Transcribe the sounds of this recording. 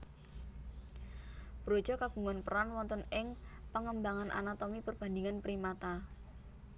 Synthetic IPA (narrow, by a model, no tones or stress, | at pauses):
b̥ɾo̥d͡ʒ̥ɔkaɡ̥ṳŋanpəɾanwɔnt̪ɔnɪŋpəŋəmbaŋanʔa̰nat̪omipərb̥a̤ndiŋanpɾimat̪a